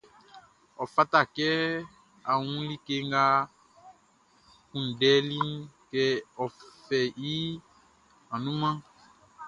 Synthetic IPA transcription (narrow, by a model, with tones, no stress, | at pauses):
ɔ˨fa˦t̪a˦˨kɛ˦ | a˨wũ˦li˦ke˧ŋ˦ɡa˦ | kũ˨n̩˨dɛ˨˦li˦n˦kɛ˦ɔ˨fɛ˨ji˦ | ã˨nũ˦mã˦